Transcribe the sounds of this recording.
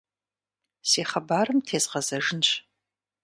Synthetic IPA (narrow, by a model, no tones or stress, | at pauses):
seːχɐbaːrɨmtʰeːzʁɐzɐʐɨnt͡ɕʷʰʼ